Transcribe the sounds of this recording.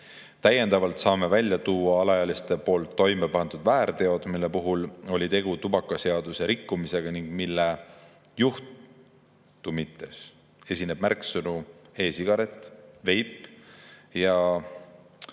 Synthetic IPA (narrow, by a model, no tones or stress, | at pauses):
t̪æje̞nd̪ɑvɑlt̪sɑːme̞vælʲjɑt̪uːɑɑlɑjɑlist̪e̞po̞ːlt̪ːo̞jmepɑnd̪ud̪væːɾt̪e̞o̞d̪̥milːepuɦulo̞lʲit̪e̞ɡ̥ut̪ubɑkːˑɑse̞ɑd̪̥use̞ɾikːˑumise̞ɡ̥ɑniŋɡ̥milːe | juht̪ | umit̪ːˑes | e̞sʲine̞b̥mærksɤnue̞ːsiɡ̥ɑɾe̞t̪ːˑve̞jpːˑ | jɑ